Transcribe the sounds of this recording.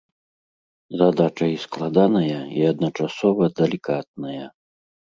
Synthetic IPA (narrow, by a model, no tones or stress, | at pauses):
zad̪at͡ʂɐisklˠad̪anɐjɐiɐd̪nɐt͡ʂasɔvɐd̪ɛlʲikat̪̚nɐjɐ